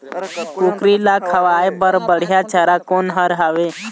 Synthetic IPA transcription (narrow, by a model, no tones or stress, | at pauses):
kukɾilakʰəʋaːebəɾbəɽ̤jat͡ʃaɾakoːnɦəɾɦaʋeː